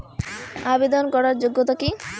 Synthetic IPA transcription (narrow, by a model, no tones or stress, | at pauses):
abed̪onkɔɾaɾd͡ʑoɡːot̪aki